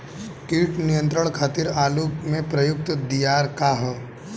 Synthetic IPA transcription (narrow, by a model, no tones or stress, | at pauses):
kiːʈnijə̃nt̪ɾəɽ̃kʰaːt̪ɪɾaːlumẽpɾɐjʊk̚t̪d̪ijaːɾkaɦ